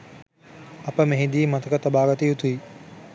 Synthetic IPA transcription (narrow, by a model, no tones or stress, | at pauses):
ɐpəmeɦid̪iːmɐt̪əkət̪ɐbaːɡɐt̪ijut̪ui